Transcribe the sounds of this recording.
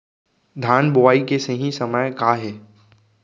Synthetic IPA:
d̪ʱaːnbʊaːikesẽɦĩsɐməjkaːɦɛː

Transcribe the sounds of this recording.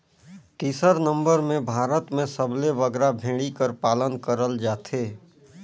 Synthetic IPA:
ʈiːsəɾnə̃mbəɾmẽbʱaːɾət̪mẽsəbleʋəɡɾabʱẽːɽikəɾpaːlənkəɾəld͡ʒaːt̪ʰeː

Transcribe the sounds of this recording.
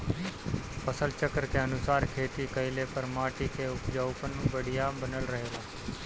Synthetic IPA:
pəsəlt͡ʃəkəɾkeənʊsaːɾkʰeːt̪ikəɪlepəɾmaːʈikeʊpd͡ʒaːʊpənːũːbəɽɪjabənəlɾəɦeːlaː

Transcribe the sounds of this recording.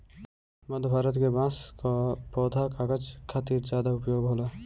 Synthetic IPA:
mɐd̪ʱbʱaːɾət̪kebãːskapɔːd̪ʱakaːkəd͡ʒkʰat̪iːɾzjaːd̪aʊpjoːɡɦoːlaː

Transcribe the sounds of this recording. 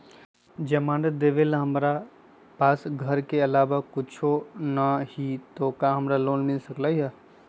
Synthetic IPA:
d͡ʒɐmaːnəd̪eʋelɦəmɾa | paːsɡʱəɾkeɐlaːʋakʊt͡ʃʰonahit̪okaɦɐmɾaloːnmɪlsəklaːiɦɛ

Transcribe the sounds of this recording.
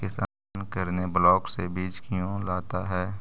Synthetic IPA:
kɪsaː | nkəɾneblɔːksebiːt͡ʃkɪjõlaːt̪aɦɛː

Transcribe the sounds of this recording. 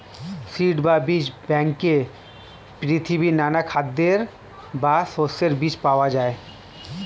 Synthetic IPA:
siʈbabit͡ɕbɛŋke | pɾit̪ʰibinanakʰad̪ːeɾ | basoseɾbit͡ɕpaoad͡ʑae

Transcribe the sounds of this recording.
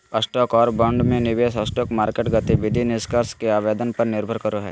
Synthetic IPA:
əsʈɔːkɔːɾbɐ̃ɳɖmẽnɪʋeːsəsʈɔːkmaːɾkeːʈɡɐt̪iʋɪd̪ʱinɪskəɾskeaːʋeːd̪ənpɐɾnɪɾbʱəɾkəɾoɦɛ̰ː

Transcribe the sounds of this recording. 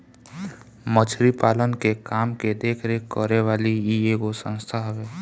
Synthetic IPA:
mət͡ʃʰɾipaːlənkekaːmked̪eːkʰɾekəɾeʋaːliieɡosə̰̃nst̪ʰaɦbeː

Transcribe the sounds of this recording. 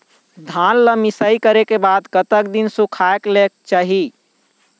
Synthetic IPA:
d̪ʱanləmisəikəɾekebad̪kət̪əkd̪insukʰaeklekt͡ʃaɦi

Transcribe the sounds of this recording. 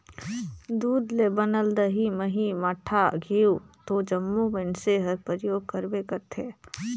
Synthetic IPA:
d̪uːd̪lebənəld̪əɦiməɦimɐʈʰːaɡʱiːut̪od͡ʒəmːubɪnseɦɐɾpəɾjoːɡ̚kəɾbekəɾt̪ʰeː

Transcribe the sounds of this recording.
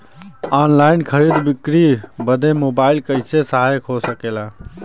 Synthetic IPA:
aːnlaːɪnkʰəɾiːd̪bɪkɾibəd̪ʱemoːbaːɪlkəɪsesaɦajkʰosəkelaː

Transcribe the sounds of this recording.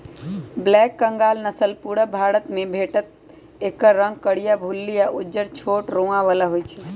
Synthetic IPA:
blɛkːəŋɡalnəsəlpuɽəbʱaɽət̪mẽbʱeʈət̪̚ | ekəɾɾəŋɡ̚kəɽijabʱulːijaʔud͡ʒəɾt͡ʃʰoʈɾõaʋalaɦojt͡ʃʰɛ

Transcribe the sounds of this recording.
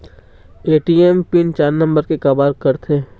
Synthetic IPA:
eːʈiempint͡ʃaːɾnə̃mbəɾkekɐbaːɾkɐɾt̪ʰe

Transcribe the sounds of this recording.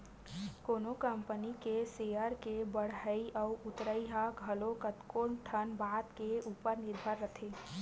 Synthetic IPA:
koːnokəmpənikeseəɾkebəɽ̤ɦəiʔəʊʔʊt̪ɾəiɦaɡʱəlokət̪koːʈʰənbaːd̪keuːpəɾnɪɾbʱəɾːət̪ʰeː

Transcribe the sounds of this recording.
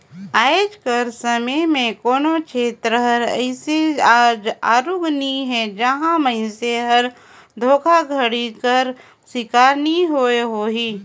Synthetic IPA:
aːd͡ʒkəɾsəməmẽkoːnot͡ʃʰeːt̪ɾəɦəɾə̰ɪseaːd͡ʒaːɾoːɡniɦɛd͡ʒɐɦãməɪseɦɐɾ | d̪ʱoːkʰaɡʱəɽikəɾ | sɪkaːɾniɦoeɦoːɦiː

